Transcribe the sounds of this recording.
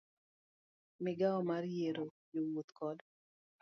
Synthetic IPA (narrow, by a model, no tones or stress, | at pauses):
mɪɡaɔmarjeɾojowot̪kɔd